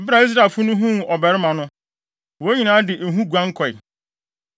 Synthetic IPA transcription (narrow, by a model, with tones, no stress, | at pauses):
ɔ˨ba˨i˦s̬ɾa˨fʊ˦nʊ̃˦ɦũ˦˨ɔ˨bɛ˨ɾɪ˦mã˨nʊ̃˦ | wo˨e˦ɲĩ˨nãː˨˦dɪ˨ʔe˨ɦũ˦ɡʷã˦ŋ̩˦kʰɔ˨ɪ˨